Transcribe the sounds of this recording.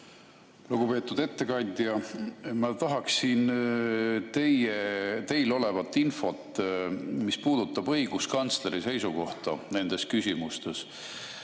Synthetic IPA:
luɡ̥upe̞ːt̪ːˑud̪̥e̞t̪ːe̞kɑɲʲd̪̥ʲjɑmɑt̪ɑɦɑksin | t̪e̞jet̪e̞jlo̞le̞vɑt̪ːˑinfo̞t̪ːˑ | mispuːd̪̥ut̪ːˑɑbɤ̞jɡ̥uskɑnt̪sle̞ɾise̞jsuko̞ht̪ɑ̰ne̞nd̪̥e̞skysʲimust̪e̞s

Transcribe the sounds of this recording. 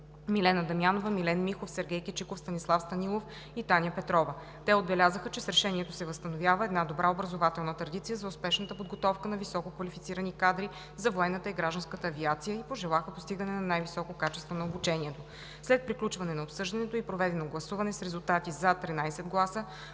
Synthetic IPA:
milɛnəd̪ɐmjanovəmilɛnmixofsɛɾɡʲɛjkʲit͡ʃikofst̪ɐnislˠafst̪ɐnilˠof | it̪anʲjəpɛt̪ɾɔvə | t̪ɛod̪̚bɛlʲazəxət͡ʃɛsɾɛʃɛniɛt̪osɛvəst̪ɐnovʲjavəɛd̪nad̪obɾʔaobɾɐzovat̪ɛlˠnət̪ɾɐd̪it̪sijəzɐʊspɛʃnət̪əpod̪ɡot̪ɔfkənɐvisɔkokvɐlifit̪siɾənikad̪ɾi | zɐvoɛnːət̪əiɡɾaʒd̪ɐnskət̪əːviat̪sijəipoʒɛlˠaxəpost̪iɡənɛnɐnajvisɔkokat͡ʃɛst̪vonɐobut͡ʃɛniɛt̪o | slɛt̪̚pɾiklʲut͡ʃvɐnɛnɐopsɤʒd̪ɐnɛt̪oipɾovɛd̪ɛnoɡlˠɐsuvɐnɛsɾɛzulˠt̪at̪izɐt̪ɾinajsɛd̪ɡlˠasə

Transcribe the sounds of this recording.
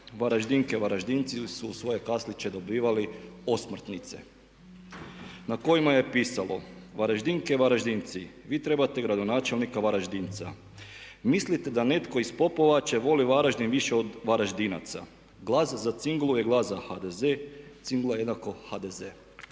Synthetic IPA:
ʋaɾaʒd̪iŋkeʋaɾaʒd̪int̪sisuːsʋo̞je̞kaslit͡ʃe̞d̪o̞biːʋaliosmr̩t̪nit̪sḛ | nako̞jimaje̞piːsalo̞̰ʋaɾaʒd̪iŋkeʋaɾaʒd̪int̪siʋiːt̪ɾe̞bat̪eɡɾad̪o̞naːt͡ʃe̞lnikaʋaɾaʒd̪int̪sa̰ | mislit̪e̞d̪ane̞t̪ko̞ispo̞po̞ʋat͡ʃe̞ʋo̞liʋaɾaʒd̪inʋiʃeod̪ʋaɾaʒd̪ina̰t̪sa̰ | ɡlˠaszat̪siŋɡlˠuje̞ɡlˠazahad̪ezet̪siŋɡlˠaje̞d̪nako̞had̪eze

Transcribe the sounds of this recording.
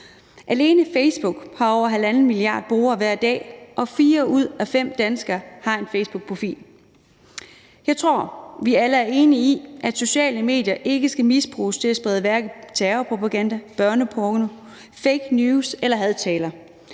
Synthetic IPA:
ʔæle̝ːnəfeɪsb̥uɡ̥hɑ̈ɒʊ̰ɐɦælænn̩miliɑ̰̈ːd̥̚b̥ʁo̝ːɐːʋæɐ̰d̥ɛ̰ːʔɒ̽fiːɐuð̞̰ˠæfem̰d̥ænsɡ̥ɐːhɑ̈e̝nfeɪsb̥uɡ̥̚pʰʁo̝fḭːl | jɑ̈ɪt͡sʰʁo̝ɐ̰ʋiæləæɐe̝ːniiʔæd̥so̝ɕɛ̰ːləme̝̰ːd̥jɐʔe̝ɡ̥əsɡ̥æmisb̥ʁṵːst͡sʰe̝læsb̥ʁɛðˠəʋæɐɡ̥ð̩ˠt͡sʰæɐpʰʁo̝pʰæɡ̥ænd̥æb̥ɶɐnəpʰɔɡ̥no | feɪɡ̥njuːselɐɦæðˠt͡sʰɛːlɐ

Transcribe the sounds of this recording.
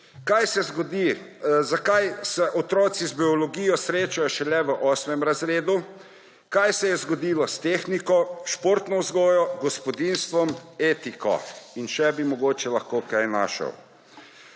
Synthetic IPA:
kajsɛzɡɔd̪i | zakajsɛʔɔt̪ɾɔːt̪sizbiɔlɔɡiːjɔsɾeːt͡ʃajɔʃɛlɛʋəʔɔːsmɛmɾazɾeːd̪u | kajsɛjɛzɡɔd̪iːlɔst̪eːxnikɔʃpoːɾt̪nɔwzɡɔːjɔɡɔspɔd̪inst̪ʋɔmeːt̪ikɔ̰inʃɛbimɔɡoːt͡ʃɛlaxkokajna̰ʃə̰w

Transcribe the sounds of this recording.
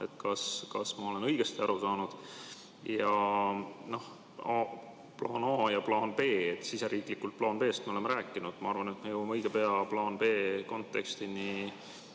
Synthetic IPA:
e̞t̪kɑskɑsmɑo̞le̞nɤjɡ̥e̞st̪iɑɾusɑːnud̪̥ | jɑ | no̞h | ɑ | plɑːnɑːjɑplɑːnpe̞ːet̪ːˑsiseɾiːklikːult̪̚plɑːnpe̞ːst̪̚meo̞le̞meɾæːkːˑinud̪̥mɑɑrvɑnet̪mejowimeɤjɡ̥epeɑplɑːnpe̞ːko̞nt̪ːˑe̞kst̪ini

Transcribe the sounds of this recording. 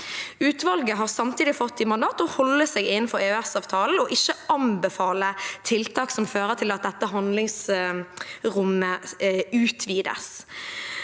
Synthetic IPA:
ʉːt̪ʋɑlɡəɦɑːʁsɑmt̪ʰiːd̪ɪfɔt̪ːɪmɑnd̪ɑːt̪ɔhɔlːəseɡɪnn̩fɔʁeøɛsɑːʋt̪ʰɑːln̩ɔʔɪçːəɑnbəfɑːlət̪ʰɪlt̪ʰɑːksɔmføːʁət̪ʰɪlɑt̪̚d̪ɛt̪ːəɦɑnd̪lɪŋs | ʁʊmːəʉːt̪ʰʋiːd̪ə̰s

